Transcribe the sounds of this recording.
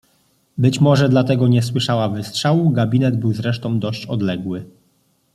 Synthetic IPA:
bɘt͡ɕmɔʐɛd̪lat̪ɛɡɔɲɛswɘʂawavɘstʂawuɡabʲinɛd̪bɘwzɾɛʂt̪ɔ̃w̃d̪ɔɕt͡ɕɔd̪lɛɡwɘ

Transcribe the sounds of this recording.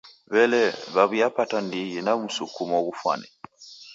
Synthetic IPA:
βɛlɛβaβujapatandiɣinamusukumɔɣufwa̰nɛ

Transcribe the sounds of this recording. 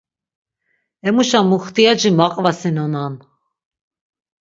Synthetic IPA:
ɛmuʃamuχt̪ʼiad͡ʒimaqʼvasinɔnan

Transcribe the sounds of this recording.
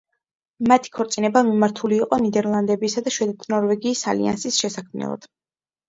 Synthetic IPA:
mat̪ʰi̥kʰɔɾt̪sʼinɛbamimaɾt̪ʰuliːqʼɔnid̪ɛɾlˠand̪ɛbiːsad̪aʃwɛd̪ɛt̪ʰnɔɾvɛɡiːsa̰lḭa̰nsisʃɛsakʰmnɛ̰lˠa̰d̪̥

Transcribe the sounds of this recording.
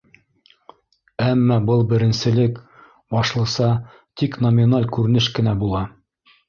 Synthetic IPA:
æmːɑbɤlˠbɘ̆ɾɘ̆nsɘ̆lɘk | bɑʃlˠɤ̆sɑ | t̪iknomʲinalʲkʉɾɘ̆nɘʃkɘ̆næbulˠɑ

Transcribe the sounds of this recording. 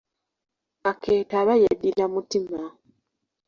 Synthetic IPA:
akʰeːtaːβajadilamutima

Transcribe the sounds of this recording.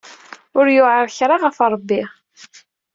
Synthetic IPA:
ʊɾjʊʕəɾçɾˤɑʁəfɾˤəbːiʁ

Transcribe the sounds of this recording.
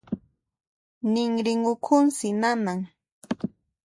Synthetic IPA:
nɪŋɾɪŋʊkʰʊnsɪnanaŋ

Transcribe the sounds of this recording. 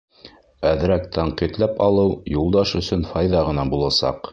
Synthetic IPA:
æðɾæk̚t̪ʰɑɴqit̪læpɑlˠɤwjulˠd̪ɑʃɵ̆sɵnfɑjðɑʁɤ̆nɑbulˠɑsɑ̰q

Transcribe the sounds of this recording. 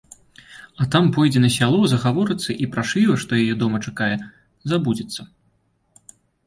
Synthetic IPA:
ɐt̪ampɔjd͡zʲɛnɐsʲalˠɔzɐɣavɔɾɨt̪sːɐʔipɾaʂlʲivɐʂt̪ɔjajɛd̪ɔmɐt͡ʂakajɛ | zabud͡zʲɐt̪sːɐ

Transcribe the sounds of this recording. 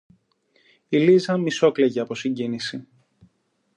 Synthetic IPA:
ilizɐmiso̞kleʝɐɐpo̞siɲɟinisi

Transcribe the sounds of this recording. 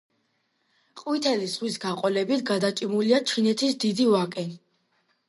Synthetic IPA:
qʼwit̪ʰɛlisʁwisɡaqʼɔlɛbit̪ʰɡad̪at͡ʃʼimuliat͡ʃʰinɛt̪ʰisd̪id̪ivakʼɛ

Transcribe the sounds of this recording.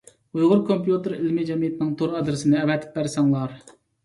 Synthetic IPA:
ujʁʊɾkʰompjut̪ɪɾɪlmɪd͡ʒɛmijɛt̪nɪŋt̪ʰoɾɑd̪ɾɪsɪnɪɛvɛt̪ʰɪ̥p̚bæɾsɑŋlˠɑɾ

